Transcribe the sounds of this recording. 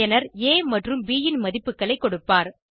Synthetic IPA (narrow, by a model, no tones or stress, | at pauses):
ɐnɐɾeːmɐʈrɯmbiːjɪnmɐðɪpːɯkːɐɭɐɪkːɔɽɯpːaːɾ